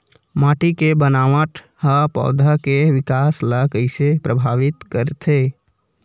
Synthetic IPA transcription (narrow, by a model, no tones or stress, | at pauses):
maʈikebənaʋaʈ | həpɔ̰d̪ʱəkeʋikasləkəɪsepɾəbʱaʋit̪kəɾt̪ʰe